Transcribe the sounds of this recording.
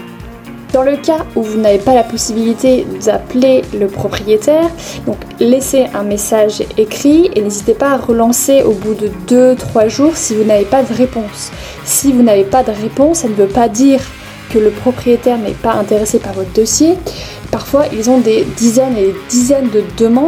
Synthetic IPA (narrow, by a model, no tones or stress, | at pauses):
d̪̥ɑ̃ləkʲauvunavepalapɔsibilit̪ed̪apleləpχɔpχijet̪ʰɛːʁ | d̪ɔ̃kleseʔɛ̃mesaʒekχienezit̪epaːʁəlɑ̃seʔobud̪əd̪øt̪χwaʒuʁsivunavepad̪əʁepɔ̃sː | ivunavepad̪əʁepɔ̃sːanəvøpad̪iʁ | kələpχɔpχijet̪ɛʁnɛ̰paɛ̃t̪eʁesepaʁvɔt̪χd̪ɔsje | paʁfwaʔilzɔ̃d̪ed̪izɛned̪ed̪izɛnd̪əd̪əmɑ̃